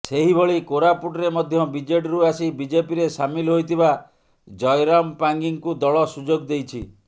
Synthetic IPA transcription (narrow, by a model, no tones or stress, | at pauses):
seɦibʱoɭikoɾapuʈɔɾemɔd̪ʱjɔbid͡ʒeʈɾuasibid͡ʒepiɾesamilɦojt̪ʰiba | d͡ʒɔjɾampaŋɡiŋkud̪ɔɭɔsud͡ʒoɡd̪ejt͡ʃʰḭ